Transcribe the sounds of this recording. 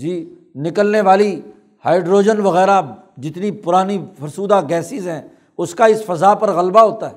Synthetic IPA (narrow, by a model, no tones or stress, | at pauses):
d͡ʒiː | nɪkəlneʋaːli | haːɪɖɾoːd͡ʒənʋɐɣɛːɾa | d͡ʒɪt̪nipʊɾaːnifɐɾsuːd̪aɡɛːsɪzɦɛ̃ː | ʊskaɪsfɐzaːpɐɾɣɐlbaɦoːt̪aɦɛː